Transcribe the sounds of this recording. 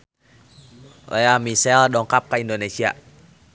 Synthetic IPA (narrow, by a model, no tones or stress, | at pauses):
la̰amisɛldɔːŋkʰap̚kaʔindoːneːsiɐ